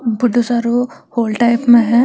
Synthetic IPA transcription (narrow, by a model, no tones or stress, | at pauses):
bʱʊɖ̪ʱusaːɾohoːlʈaɪpmẽɦɛ̃ː